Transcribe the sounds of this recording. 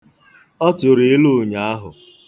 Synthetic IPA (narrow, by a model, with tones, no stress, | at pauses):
ɔ˦tʊ˨ɾe˦e˦lo˦˨ɲa˨a˦ɦʊ̰˨